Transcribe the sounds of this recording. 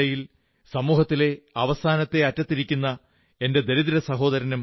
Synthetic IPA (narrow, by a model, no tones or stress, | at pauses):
ɐjil | sɐmuːɦɐt̪ːile̞ɐʋɐsaːnɐt̪ːe̞ɐtːɐt̪ːiɾikʲːunːɐ | e̞nde̞d̪e̞ɾiðiɾɐsɐɦo̞ːd̪ɐɾɐnum